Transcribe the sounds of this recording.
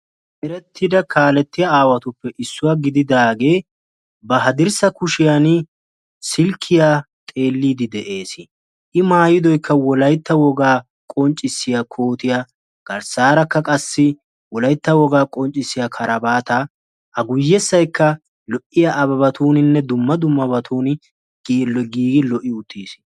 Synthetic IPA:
ʔɛɾɛt̪ʰːɪd̪ɐkʰaːlɛt̪ːɪjaaːwɐt̪ʊpːɛʔɪsːʊwaɡɪd̪ɪd̪aːɡe̞ː | bɐɦɐd̪ɪɾsɐkʊʃɪjan | sɪlkʰːɪjaː | t̪ʼe̞ːlːiːd̪ɪd̪ɛʔe̞ːsɪ | ʔɪmaːjɪd̪ɔjkːɐwɔlɐjt̪ːɐwɔɡaː | kʼɔnt͡ʃʼːɪsːɪjakʰoːt̪ɪja | ɡ̥ɐɾsaːɾɐkːɐkʼɐsːɪ | wɔlɐjt̪ːɐwɔɡaːkʼɔnt͡ʃʼːɪsːɪjakʰɐɾʔɐbaːt̪ɐ | ʔɐɡʊjːɛsːɐjkːɐ | lɔʔːɪjaʔɐbɐbɐt̪ʰuːnɪnːɛd̪ʊmːɐd̪ʊmːɐbɐt̪ʰuːnɪ | ɡ̥lɡiːɡɪlɔʔɪʊt̪ːiːs

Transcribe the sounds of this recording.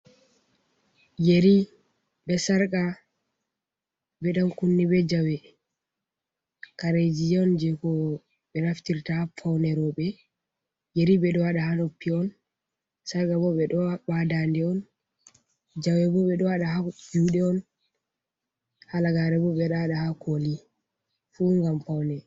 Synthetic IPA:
jeɾi | ɓɛsaɾka | bɛɗankunːibɛd͡ʒawɛ | kaɾed͡ʒid͡ʒɛɔnd͡ʒɛkɔ | ɓɛnaftiɾtafawnɛɾɔɓɛ | jeɾibɛɗɔwaɗahanopːiɔn | saɾkabɔɓɛɗɔbadandɛɔn | d͡ʒawɛbɔɓɛɗɔwaɗahad͡ʒuɗɛɔn | halaɡaɾɛbɔɓɛɗaaɗahakʰoli | fuŋɡamfawnɛ

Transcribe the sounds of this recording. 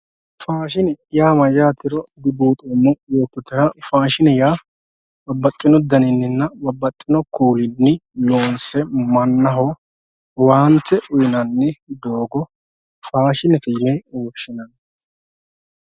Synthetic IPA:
faːʃɪnɪjaːmɐjaːt̪ːɪɾɔd̪ɪbuːt̪ʼoːmːɔjoːkːʊt̪ːɪɾɐfaːʃɪnɛjaː | wɐbːɐt̪ʼːɪnɔd̪ɐnɪnːɪnːɐbɐbːɐt̪ʼːɪnɔkuːlɪnːɪloːnsɛmɐnːɐɦɔ | waːnt̪ːɛʔʊjɪnɐnːɛd̪oːɡɔ | faːʃɪnɛt̪ɛjɪmɛoːʃːɪnɐn

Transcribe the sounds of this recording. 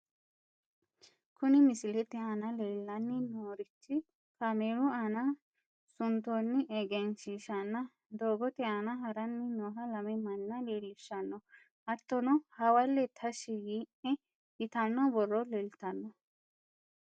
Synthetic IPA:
kʊnɪmɪsɪlɛt̪ɛanɐleːlːɐnːɪnoːɾɪt͡ʃːɪ | kɐmeːɾʊɐnɐ | sʊnt̪onːɪʔɛɡɛnʃiːʃɐnːɐ | d̪oːɡɔt̪ɛaːnɐɦɐɾɐnːɪnɔːɦɐlɐmɛmɐnːɐleːlːɪʃːɐnːɔ | ɐt̪ːɔnɔhɐwɐlːɛt̪ʰɐʃijiːʔɛ | ɪt̪ɐnːɔbɔrːɔleːlt̪ɐnːɔ

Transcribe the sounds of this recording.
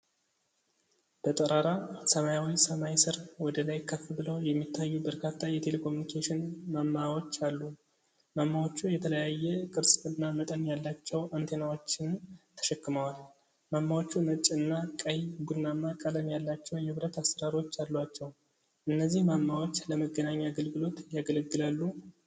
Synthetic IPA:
b̥ət̪ʼəɾaɾasəmajawisəmajsɨɾwɔd̪əlajkʰːəfːbɨləwjɛmːit̪ʰːajːubəɾkʰat̪ʰːajɛt̪ʰe̞le̞kʰo̞munikʰeʃɪnmamːawo̞t͡ʃːalːu | mamːawo̞t͡ʃːujɛt̪ʰələjajːɛkʼɨɾsʼɨnːamət̪ʼənjalːat͡ʃːɛwənt̪ʰe̞nawo̞t͡ʃːɪnt̪ʰə̥ʃɛkːɨməwal | mamːawot͡ʃːumət͡ʃʼɨnːakʼəjɡud̪namːakʼələmjalːat͡ʃːɛwjɛβɾət̪asəɾaɾiwo̞t͡ʃːalːat͡ʃːɛw | ʔɨnːəzːihmamːawo̞t͡ʃːləməɡənaɲːaːɡəlɡɨlo̞t̪jaɡəlɡːɨlalːu

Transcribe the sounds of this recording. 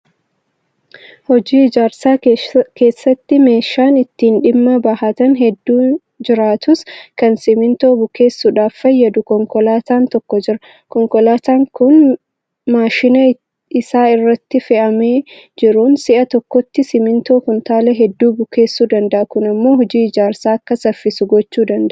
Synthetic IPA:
hɔd͡ʒiːɪd͡ʒaːɾsaːke̞ːsːɐt̪ːɪme̞ːʃːaːnɪt̪ːiːnᶑɪmːɐbɐhɐt̪ɐnɦɛd̪ːuː | d͡ʒɪɾaːt̪ʊskɐnsɪmɪnt̪o̞ːbʊke̞ːsːʊᶑaːfːɐjːɐd̪ʊkɔŋkɔlaːt̪aːnt̪ɔkːɔd͡ʒɪɾɐ | kɔŋkɔlaːt̪aːŋkʊn | maːʃɪnɐ | ɪsaːɪrːɐt̪ːɪfɛʔɐmeː | d͡ʒɪɾʊnsɪʔɐt̪ɔkːɔt̪ːɪsɪmɪnt̪o̞ːkʊnt̪aːlɛɦɛd̪ːuːbʊke̞ːsːuːd̪ɐnd̪ɐʔɐkʊnɐmːo̞ːɦɔd͡ʒiːɪd͡ʒaːɾsaːɐkːɐsɐfːɪsʊɡɔt͡ʃːuːd̪ɐnd̪ɐʔʔ

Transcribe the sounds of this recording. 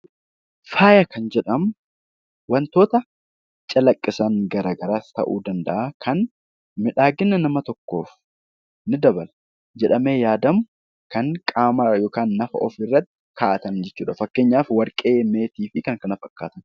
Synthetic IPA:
faːjɐkʰɐnd͡ʒɛᶑɐm | wɐnt̪o̞ːt̪ɐ | t͡ʃʼɐlɐkʼːɪsɐŋɡɐɾaːɡɐɾaːst̪ɐ̰ʔṵːd̪ɐnd̪ɐ̰ʔaːkʰɐn | mɪᶑaːɡɪnːɐnɐmɐt̪ɔkːo̞ːf | nɪd̪ɐbɐl | d͡ʒɛᶑɐme̞ːjaːd̪ɐm | kɐŋkʼaːmɐjo̞ːkaːnːɐfɐ̰ʔɔfɪrːɐt̪ːɪ̥kaʔɐt̪ɐnd͡ʒɛt͡ʃːuːᶑɐfɐkːe̞ːɲːaːfwɐɾkʼe̞ːme̞ːt̪iːfɪkɐŋkɐnɐfɐkːaːt̪ɐn

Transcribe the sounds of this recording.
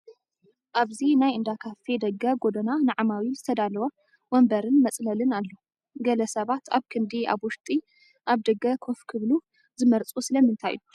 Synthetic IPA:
ʔaβzinajɨnd̪akʰafed̪ɐɡɐɡod̪ɐnanaʕamawizɨt̪ʰɐd̪alɐwɐ | wɔmbɐɾɨnmɐt͡sʼlɐlɨnalːo | ɡɐlɐsɐβat̪ʰa̰βkʰɨnd̪iʔa̰βwʊʃt̪ʼi | ʔaβd̪ɐɡɐkʰo̞fkʰɨβlu | zɨmɐɾt͡sʼusɨlɐmɨnt̪ʰa̰jːu

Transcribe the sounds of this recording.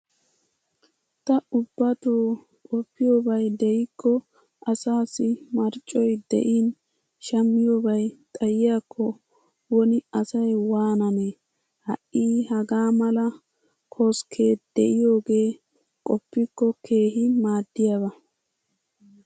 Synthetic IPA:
t̪ɐʊbːɐt̪oː | kʼɔpːɪjoːbɐjd̪ɛjɪkʰːɔ | ʔɐsaːsɪmɐɾt͡ʃʼːɔjd̪ɛ̰ʔiːn | ʃɐmːɪjoːbɐjt̪ʼɐjɪjaːkʰːɔ | wɔnɪɐsɐjwaːnɐne | hɐ̰ʔiːhɐɡaːmɐlɐ | kʰoskʰe̞ːd̪̥ɛʔɪjo̞ːɡe̞ː | kʼɔpːɪkːɔkʰe̞ːɦɪmaːd̪ːɪjabɐ

